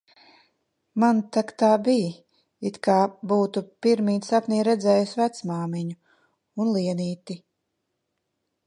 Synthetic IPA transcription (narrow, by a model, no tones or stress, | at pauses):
mant̪akt̪aːbij | it̪kaːbuːt̪upiɾmiːt̪sapniːɾɛd̪zɛːjusvæt̪smaːmiɲu | unlˠiɛniːt̪i